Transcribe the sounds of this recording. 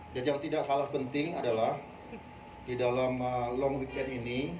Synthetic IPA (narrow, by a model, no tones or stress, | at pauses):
d͡ʒad͡ʒaŋt̪idaʔhalaspənt̪ɪŋadalah | didalaməlɔŋɡik̪ɛnini